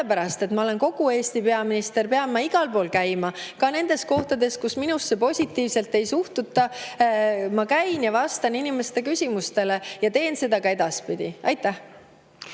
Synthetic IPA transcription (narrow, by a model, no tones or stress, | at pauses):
eepæɾɑst̪e̞t̪mɑo̞le̞nko̞ɡ̥ue̞ːst̪ipe̞ɑminist̪e̞rpeɑbmːɑiɡ̥ɑlpo̞ːlkæjmɑkɑne̞nd̪̥e̞sko̞ht̪ɑd̪e̞skusminusːe̞po̞sʲit̪ːˑiːvse̞lt̪ːˑe̞jsuht̪ut̪ːˑɑ | mɑkæjnjɑvɑst̪ɑninimest̪e̞kysʲimust̪e̞le̞jɑt̪e̞ːnse̞d̪̥ɑkɑe̞d̪̥ɑspid̪̥ʲiɑjt̪ˑːæh